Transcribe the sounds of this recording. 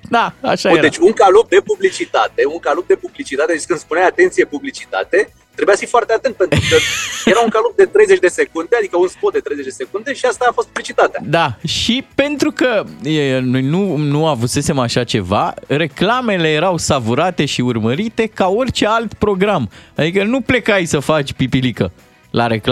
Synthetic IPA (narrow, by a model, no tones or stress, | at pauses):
d̪aa̰ʃajed̪et͡ʃʲuŋkalop̚d̪e̞publit͡ʃit̪at̪e̞uŋkalop̚d̪e̞publit͡ʃit̪at̪ed̪et͡ʃkɨnd̪spuneajat̪ent̪sijepublit͡ʃit̪a̰t̪e̞ | t̪ɾebujafifoart̪eat̪ent̪̚pe̞nt̪ɾukəjeɾaunŋkalop̚d̪e̞t̪ɾe̞jze̞t͡ʃʲd̪e̞se̞kund̪ead̪ikəunspot̪̚d̪et̪ɾejzet͡ʃd̪ese̞kund̪e̞ʃiast̪aːfo̞st̪̚publit͡ʃit̪at̪ea̰d̪aʃipe̞nt̪ɾukəəno̞jnunuavɨse̞se̞maʃat͡ʃe̞vaɾe̞klame̞le̞je̞ɾawsavuɾat̪e̞ʃiurməɾit̪e̞kao̞rʲt͡ʃe̞alt̪pɾo̞ɡɾamad̪ikənuple̞kajsəfat͡ʃʲpipilikə | laɾeka